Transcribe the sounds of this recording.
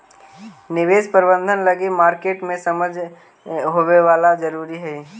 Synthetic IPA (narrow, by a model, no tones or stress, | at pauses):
nɪʋeːspəɾbə̃nd̪ʱənləɡemaːɾkeːʈmẽsəməd͡ʒʱ | ɦoʋeʋaːlad͡ʒəɾuːɾiɦɛ